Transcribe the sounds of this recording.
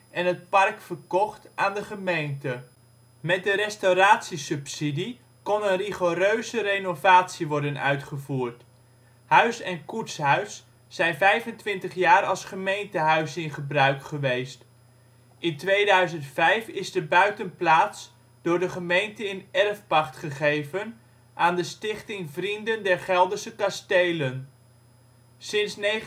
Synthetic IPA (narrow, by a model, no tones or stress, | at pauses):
ɛnɦət̚pɑrkfəɹkɔχtʔaːndəχəmejntə | mɛt̚dəɾɛstawraːtsisɵpsidi | kɔnənriχoɾøɥzərejnovaːtsiʋɔɹdənœ̰ɥtχəvuːɹt | hœɥsɛnkutsɦœɥsː | ɛjnvɛjvəntʋɪntəχjaːɾɑ̰lˠsχəmejntəɦœɥsɪnχəbrœɥkχəʋejst | ɪntʋejdœɥzəntfɛjfɪzdəbœɥtənplaːts | d̥ʊːɹdəχəmejntəɪnɛrfpɑχtχəχejvən | ʔaːndəstɪχtɪŋvrindəndɛɹχɛlˠdəɹsəkɑstejlən | sɪnsnej